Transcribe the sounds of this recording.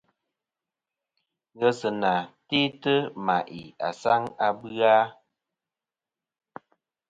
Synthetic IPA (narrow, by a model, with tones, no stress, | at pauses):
ɣə˦sə˨na˨te˦tə˦ma˨ʔi˨a̰˨sa˦ŋa˨bɰa˦